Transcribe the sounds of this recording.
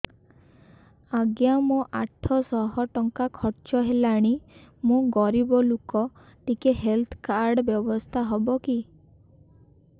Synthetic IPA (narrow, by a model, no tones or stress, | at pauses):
aɡjamũʔaʈʰɔsɔɦɔʈɔŋkakʰɔɾt͡ʃɔɦelaɽ̃imũɡɔɾibɔlukɔ | ʈikeɦelt̪ʰkaɾɖbjɔbɔst̪ʰaɦɔbɔki